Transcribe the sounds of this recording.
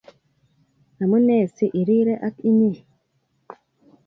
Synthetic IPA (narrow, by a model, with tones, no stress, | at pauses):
a˨mu˦neː˦˨si˦ʔi˨ɾi˦ɾe˦ʔa˦ki˦ni˦˨